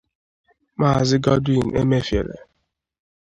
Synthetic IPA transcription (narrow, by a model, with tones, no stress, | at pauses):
ma˦˨zɪ˦ɡɔ˦dwi˨n˨ʔḛ˦me˦fjḛ˨ɾḛ˨